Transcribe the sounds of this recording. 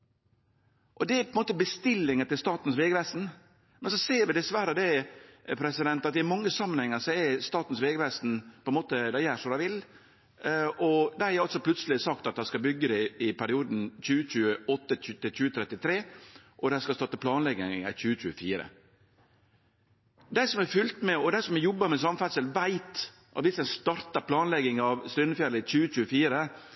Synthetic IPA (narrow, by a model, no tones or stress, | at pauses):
ʔɔd̪ɛæpʰɔɛnmoːt̪əbəst̪ɪlːɪŋət̪ɪlst̪ɑːt̪n̩sʋeːɡəʋæst̪n̩ | mɛnsɔseːɾʋɪd̪ɛsʋæɾəd̪ɛpʰɾɛsɪd̪ɛnt̪ɑt̪ɪæmɑŋːəsɑmːənhɛŋːəɾsɔɛst̪ɑːt̪n̩sʋeːɡəʋæst̪n̩pʰɔɛnmoːt̪əd̪æjæːʂɔdæɪʋɪl | ɔd̪æɾæɾɑlt̪sɔplʉt̪səlɪsɑk̚t̪ɑt̪̚d̪æɪskɑbʏɡːəd̪ɛɪpʰæɾɪuːd̪n̩çʉːət͡ɕʉːəɔt̪ːət̪ɪlçʉːət̪ʰɾɛt̪ːɪt̪ʰɾeːʔɔd̪æskɑst̪ɑt̪əpʰlɑːnlɛɡɪæçʉːəc͡çʉːəfiːɾə̰ | d̪æɪsɔmɛfʏlt̪mɛɔd̪æɪsɔmɛjɔbːəɾmɛs̬ɑmfæt̪səlʋæɪt̪ | ʔɑt̪ʋɪsd̪æɪst̪ɑɾt̪ɑɾpʰlɑːnlɛɡɪŋɑʋst̪ɾʏnːəfjæləçʉːət͡ʃʉːəfiːɾə